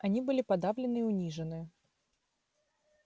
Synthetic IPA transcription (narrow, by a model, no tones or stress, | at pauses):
ɐnʲibɨlʲɪpɐd̪avlʲɪnɨiʊnʲiʐɨnɨ